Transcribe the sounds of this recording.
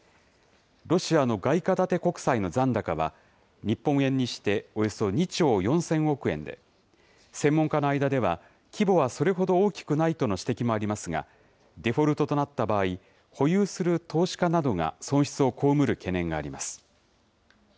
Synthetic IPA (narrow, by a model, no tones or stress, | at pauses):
ɾo̞ɕiano̞ɡaikad̪at̪e̞ko̞kɯ̟̥saino̞zãnd̪akaβa̰ | ɲ̟ipːõɰ̃ẽ̞ɲ̟ːiɕi̥t̪e̞o̞jo̞so̞ɲ̟it͡ɕo̞ːjõ̞ɰ̃sẽ̞ɰ̃o̞kɯ̟ẽ̞̰nd̪e̞̰ | sẽ̞mːõ̞ŋkanoaijd̪ad̪e̞β̞a | kʲibo̞βaso̞ɾe̞ɦo̞d̪o̞oːkʲi̥kɯ̟nait̪o̞no̞ɕi̥t̪e̞kʲimo̞aɾʲimasɨɡa̰ | d̪e̞ɸo̞ɾɯ̟t̪o̞t̪o̞nat̪ːabaːi | ho̞jɯːsɨɾɯ̟t̪o̞ːɕi̥kanad̪o̞ŋa̰sõ̞ɰ̃ɕi̥t͡sɨo̞ko̞ːmɯ̟ɾɯ̟ke̞nẽ̞ŋɡaːɾʲimasɨ̥